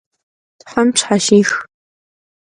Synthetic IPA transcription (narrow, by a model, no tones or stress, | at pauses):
tħʷamʈ͡ʂʰħaʃiːx